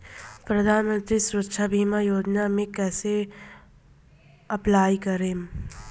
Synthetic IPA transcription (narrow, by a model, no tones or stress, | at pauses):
pɾɐd̪ʱaːnmə̃nt̪ɾisʊɾətːʃʰabʱiːmajoːd͡ʒnamẽkɛːse | ɐplaːjkɐɾeːm